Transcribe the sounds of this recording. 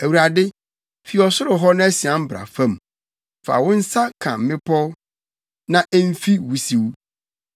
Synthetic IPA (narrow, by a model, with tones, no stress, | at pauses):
æ˨wu˨ɾa˨dɪ˦ | fi˨ɔ˨sʊ˦ɾʊ˨ɦɔ˦nʊ̃˦æ˦si˨ã˨m̩˦bɾa̰˨fã˦˨m | fa̰˨wʊ̃˦n̩˦sa˦kʰã̰˨m̩˨mɪ̃˦pʰɔ˦ | nã˦ʔɛ˦m̩˦fi˦wu˦si˨wu˦